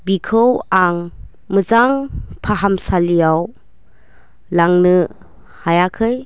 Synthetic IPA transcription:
bikʰɯwaŋ | mɯzaŋpʰaɦamsalijaw | laŋnɯ | hajakʰɯj

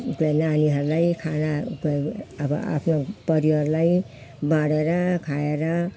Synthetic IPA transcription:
kenaniɦʌɾulajkʰanakʌbʌ̰a̰pʰnopʌɾiɦʌɾulaj | bãɽeɾʌkʰaeɾʌ

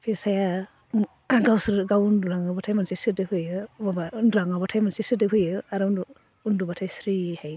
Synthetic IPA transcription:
pʰisaja | ɡawsɾɡawunduɾaŋɯbatʰajmansisɯdɯhɯjɯbbanɾaŋabatʰajmansisɯdɯɦɯjɯaɾn | undubatʰajsɾihaj

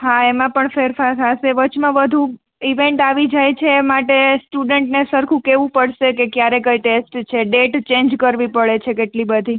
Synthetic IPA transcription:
ɦaemãpəɳfeɾfaɾɦaseʋət͡ʃʰmãʋəd̪ʱũ | iʋeɳʈaʋid͡ʒajt͡ʃʰeːmaʈesʈuɖəɳʈnesəɾkʰũkeʋũpəɽʃekekjaɾekəjʈesʈt͡ʃʰeɖeʈt͡ʃẽɲd͡ʒkəɾʋipəɭet͡ʃʰekeʈlibəd̪ʱi

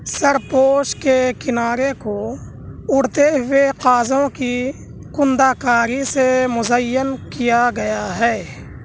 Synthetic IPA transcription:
səɾpoːʃkekɪnaːɾeko | ʊɽt̪eɦʊeqaːzõki | kʊ̃nd̪akaːɾisemʊzəjənkijaɡɐjaɦɛː

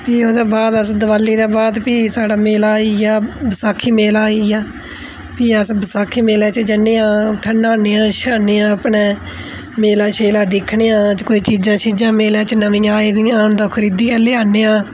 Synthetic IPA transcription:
piːoːd̪aːbaːd̪əsd̪əʋaːlːiːd̪aːbaːd̪piːsaːɽaːmeːlaːijaːbʱəsaːkʰːiːmeːlaːiaː | piːəsbəsaːkʰiːmeːlaːt͡ʃd͡ʒəneːãːt̪ʰənːaːneːãːʃaːneːãːəpɳeː | meːlaːʃeːlaːd̪ɪkʰːɳeːãːt͡ʃkoːiːt͡ʃiːd͡ʒãːt͡ʃʰiːd͡ʒãːmeːlãːt͡ʃnəʋĩːaːiːd̪ɪjãːnd̪õːkʰəɾiːd̪iːaːleaːneːãː

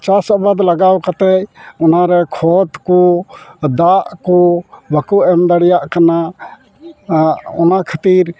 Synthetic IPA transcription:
t͡ʃasabad̪laɡawkat̪ɛcɔnaɾɛkʰɔt̪kɔ | d̪aʔkɔbakuʔɛmd̪aɽɛjaʔkana | ɔnakʰat̪iɾ

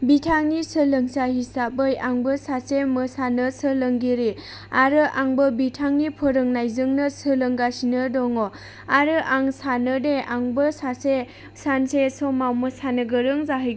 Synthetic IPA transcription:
bitʰaŋnisɯləŋsahisap̚ɯjaŋbəsaseməsanəsɯləŋɡiɾi | aɾɯʔaŋbəbitʰaŋnipʰəɾɯŋnajzɯŋnɯsələŋɡasinɯdɔŋo | aɾɯʔaŋsanɯdeaŋbəsase | sansesɔmawməsanɯɡəɾɯŋzaɦɯj

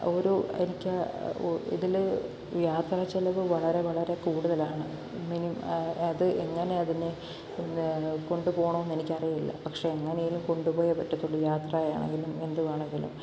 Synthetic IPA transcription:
o̞ɾuḛnikʲː | ḭðil | jaːt̪raːt͡ɕːelɐʋɨʋɐɭɐɾe̞ʋɐɭɐɾe̞kuːɽuðɐlaːɳɨ̰ | minimɐðɨʔeŋːɐne̞ɐðine | ko̞ɳɖupo̞ːɳoːenːenikʲːɐrijɐilːɐ̰pɐkʂe̞ːŋːɐnejilumko̞ɳɖupo̞ːjɐpːɐʈːɐt̪ːuɭːɐjaːt̪raːjaːɳḛŋɡilume̞nd̪uʋaːɳeŋɡilṵm

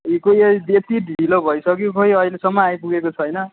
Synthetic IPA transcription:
ikojebet̪iɖʱiilobʱʌjsʰʌk̬jokʰʌjʌjlesʌmːʌajpuɡekot͡sʰʌjnʌ

